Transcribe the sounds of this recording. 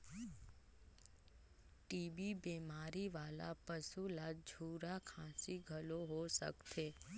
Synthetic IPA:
ʈiːbibeːmaːɾiʋaːla̰pəsulad͡ʒʱuːɾakʰãːsiɡʱəloɦosə̰kt̪ʰeː

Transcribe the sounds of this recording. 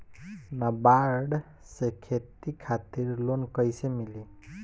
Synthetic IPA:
nʌbaɾɖ | sekʰet̪ikʰat̪iɾlonkʌjsemili

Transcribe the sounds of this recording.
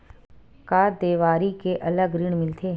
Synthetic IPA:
kaːd̪eːʋaːɾikeʔɐləɡɾɪɽ̃mɪlt̪ʰeː

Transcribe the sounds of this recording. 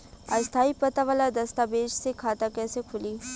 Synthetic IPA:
a̰ːst̪ʰaːipɐt̪aʋaːlad̪ɐst̪abeːd͡ʒsekʰaːt̪akɛːsekʰʊliː

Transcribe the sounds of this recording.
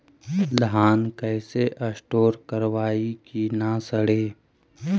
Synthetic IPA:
ləɦaːnkɛːseʔɐsʈoːɾkəɾʋaːikinasəɽ̤eː

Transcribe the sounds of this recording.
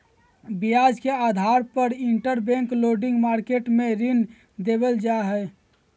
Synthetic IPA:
bijad͡ʒkead̪ʱaɾpəɾiɳʈəɾbɛ̃ŋkloɖɪ̃ŋɡmaɾkeʈmeɾin | d̪ebəld͡ʒaɦɛ

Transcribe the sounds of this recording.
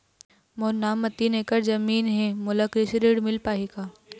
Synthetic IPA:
moːnaːmːɐt̪ːineːkəɾd͡ʒɐmiːnɦɛmʊləkɾɪsɾeːɽmɪlpaːeːɡaː

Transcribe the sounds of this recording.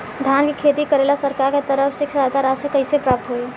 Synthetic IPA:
d̪ʱjankekʰet̪ikəɾelasəɾkaɾket̪əɾəpʰsiksat̪aɾasekəɪsepɾap̚t̪ɦoe

